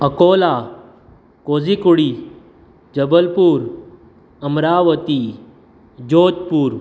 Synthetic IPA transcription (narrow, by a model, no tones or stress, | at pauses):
əkoːla | koːd͡zikuɽiː | d͡ʒəbəlpuːɾ | ɐmɾaːʋət̪i | d͡ʒoːd͡ʒpuːɾ